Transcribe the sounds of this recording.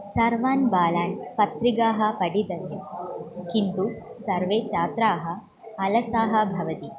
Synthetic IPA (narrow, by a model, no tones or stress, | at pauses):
sɐɾʋaːnbaːlaːnpɐt̪ɾiɡaːɦɐpɐɽid̪ɐt̪ekint̪usɐɾʋeːt͡ʃaːt̪ɾaːɦɐː | lɐsaːɦɐ̆bʱɐʋɐt̪i